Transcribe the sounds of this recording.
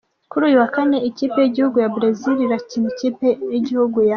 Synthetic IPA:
kuɾuːjuwakane̞iciːpe̞jiɟihuɡujabɾaziɾiɾacimiciːpejiɟihuɡuja

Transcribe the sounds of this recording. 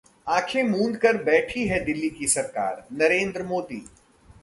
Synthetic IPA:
ãːkʰẽmũːnd̪kɐɾbɛːʈʰiɦɛd̪ɪlːikisɐɾka̰ːɾnɐɾẽːnd̪ɾəmoːd̪iː

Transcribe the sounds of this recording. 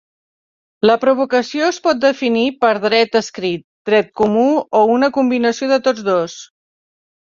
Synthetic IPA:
ləpɾuβukəsioəspɔt̪̚d̪əfinipəɾðɾɛt̪əskɾit̪̚d̪ɾɛt̪̚kumuounəkumbinəsioðət̪od͡zðos

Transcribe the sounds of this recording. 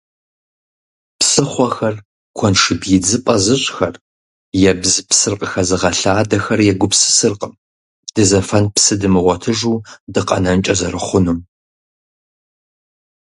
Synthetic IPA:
psɨχʷɐxɐr | kʷʰɔnʂɨbjɪd͡zɨpʼɐzɨɕʼxɐr | jɛbzɨpsɨrqʼəxɐzɨʁɐɬaːdɐxɐrjɛɡʷʊpsɨ̥sɨrqʼəm | d̥ɨzɐfɐnpsɨdɨmɨʁʷɔtʰɨʒuːdɨqʼɐ̰nɐnt͡ʃʼɐzɐɾɨχʷʊnum

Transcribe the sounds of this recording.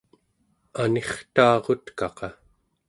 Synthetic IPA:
ane̞χt̪aːʁo̞t̪kɑqɑ

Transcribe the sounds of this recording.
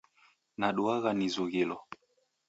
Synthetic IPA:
naɗuaɣanizuɣilɔ

